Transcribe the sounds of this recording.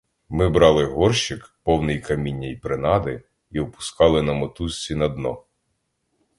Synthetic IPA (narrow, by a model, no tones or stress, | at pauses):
mɪbɾɑlˠɪɦɔrʃɪkpɔwnɪjkɐmʲinʲːɐjpɾɪnɑd̪ɪ | iʊpʊ̥skɑlˠɪnɐmɔt̪usʲt͡sʲinɐd̪nɔ